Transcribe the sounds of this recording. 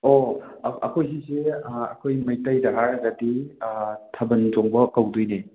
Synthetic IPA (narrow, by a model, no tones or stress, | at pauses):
oɐ̰kʰojsiseɐ̰kʰojmɐjtajdɐɦaɾɡɐdi | tʰɐbɐnzoŋbɐkɐwdujne